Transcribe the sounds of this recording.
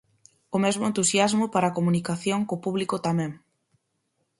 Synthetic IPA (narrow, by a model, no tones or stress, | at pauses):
ʊmɛzmʊẽnt̪usjazmʊpaɾakomunikaθjoŋkopuβlikʊt̪amɛ̃ŋ